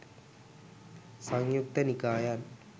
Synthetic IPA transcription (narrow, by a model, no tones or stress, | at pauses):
sɐŋjuk̚t̪ɐnikaːjan